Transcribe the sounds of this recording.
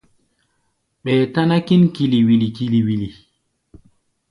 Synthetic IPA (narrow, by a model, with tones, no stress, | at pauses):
ɓɛː˨ta˦na˦ki˦nki˨li˨wi˨li˨ki˨li˨wi˨li˨